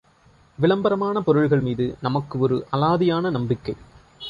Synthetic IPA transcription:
ʋɪɭɐmbɐɾɐmaːnɐpɔɾɯɻɣɐɭmiːðɯnɐmɐkːɯɔɾɯʔɐlaːðɪjaːnɐnɐmbɪkːɐɪ

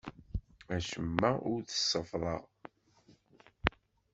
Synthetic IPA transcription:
æʃəmːæʊɾθə̥sːəfðˤɑʁ

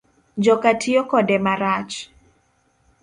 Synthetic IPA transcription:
d͡ʒɔkatʰijɔkɔdɛmaɾat͡ʃ

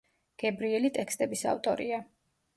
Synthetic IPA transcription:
ɡ̥ɛbɾiɛlit̪ʼɛkst̪ʼɛbisa̰vt̪ʼɔ̰ɾḭa

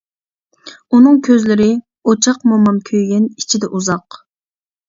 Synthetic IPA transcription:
unɨŋkʲʰøzlɪɾɪ | ot͡ʃʰɑqmomɑmkʲʰøjɡʲɛni̥t͡ʃʰid̪ɛʔuzɑq

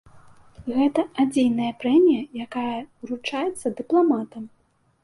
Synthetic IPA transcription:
ɣɛt̪ɐad͡zʲejnɐjɐpɾɛmʲijɐjakajɐɾut͡ʂajɛt̪sːɐd̪ɨplˠamat̪ɐm

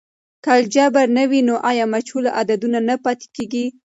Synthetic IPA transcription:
kald͡ʒabaɾnawinoʔɑjɑmat͡ʃhulaʔad̪ad̪unanapɑt̪e̥keɡi

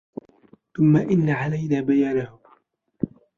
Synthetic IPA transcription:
θʊmːaʔɪnːaʕalajnaːbajaːnahʊ

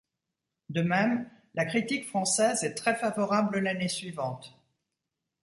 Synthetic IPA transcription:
d̪əmɛm | lakχit̪ikfχɑ̃sɛzɛt̪χɛfavɔʁabləlanesɥivɑ̃t̪

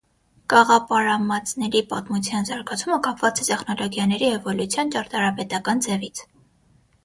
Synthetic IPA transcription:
kɑʁɑpɑɾɑmɑt͡snɛɾipɑt̪mut͡sʰjɑnzɑɾɡɑt͡sʰuməkɑpʰvɑt͡sɛt̪ɛχnɔlɔɡjɑnɛɾihɛvɔlut͡sʰjɑnt͡ʃɑɾt̪ɑɾɑpɛt̪ɑkɑnd͡zɛvit͡sʰ

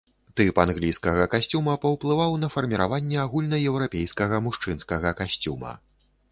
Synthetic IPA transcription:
t̪ɨpanɣlʲijskɐɣɐkasʲt͡sʲumɐpɐwplˠɨvawnɐfɐrmʲiɾa̰vanʲːɛaɣulʲnɐjɛwɾapʲejskɐɣɐmuʂt͡ʂɨnskɐɣɐkasʲt͡sʲumɐ̰

